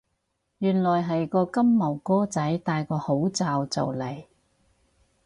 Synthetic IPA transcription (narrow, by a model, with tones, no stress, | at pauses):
jyː˨˩nlɔː˨˩jɦɐ˨jkɔː˧kɐ˥mːɐ˨˩wkɔː˥t͡sɐ˨˥jt̪aː˨˧jkɔː˧ho˨˥wt͡saː˨˧wt͡sɐ̰˨wlɐ˨˩j